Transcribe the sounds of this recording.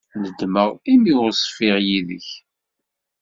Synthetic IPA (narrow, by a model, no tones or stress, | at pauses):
nəd̪məʁimiʊɾsˤfɪʁjiðəç